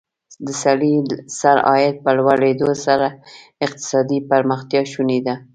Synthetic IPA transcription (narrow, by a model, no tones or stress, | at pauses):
d̪əsaɽisaɾɑ̰jɪd̪̚pəlwaɽed̪osaɾa | ɪq̚t̪ɪ̥sɑd̪ipaɾməxt̪jɑʃunid̪a